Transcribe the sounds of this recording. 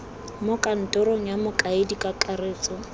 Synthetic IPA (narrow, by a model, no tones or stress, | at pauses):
mʊkʼan̩tʼɔɾoŋ̩jamʊkʼaɪdikʼakʼareːt͡sɔ